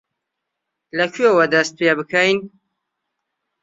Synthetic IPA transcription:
lɐkʰɥewɐd̪ɐst̪̚pebɨkʰɐjn

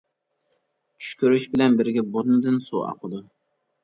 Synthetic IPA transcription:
t͡ʃʰy̥ʃkʲʰøɾyʃbɪlɛnbɪɾɡʲɛboɾnɨd̪ɨnsṵɑ̰qʰəd̪u

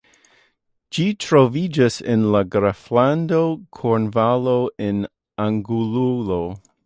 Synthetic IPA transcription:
d͡ʒitʰɾovid͡ʒasenlaɡɾaflandokʰoɾnvaloʔen | aŋɡululo

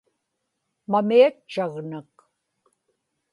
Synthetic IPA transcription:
mamiat͡ʃːaɣnak

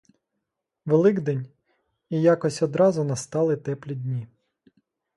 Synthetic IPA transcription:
ʋelˠɪɡd̪ɛnʲ | ijɑkɔsʲɔd̪ɾɑzʊnɐst̪ɑlˠɪt̪ɛplʲidʲnʲi

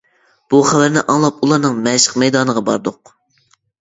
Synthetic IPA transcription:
b̥uχævæɾnɪʔɑŋlˠɑp̚ulˠɑɾnɨŋmɛʃə̥qmɛjd̪ɑːnəʁɑbɑ̰ɾd̪ʊq

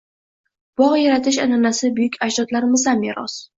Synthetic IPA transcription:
b̥ɒʁjaɾat̪ʰɪʃanɒnasɪbʊjʊkʲaʃd̪ɒt̪laɾmɪzameɾɒ̰s

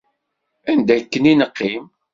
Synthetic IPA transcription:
ænd̪æjkːəninəqːim

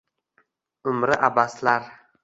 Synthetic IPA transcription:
ʊmɾɪʔabaslaɾ

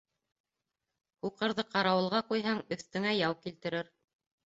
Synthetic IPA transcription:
huqɤ̆ɾðɤqɑɾɑwɤ̆lˠʁɑqujɦɑŋɵ̆θt̪ɘ̆ŋæjɑwkilt̪ɘ̆ɾɘɾ

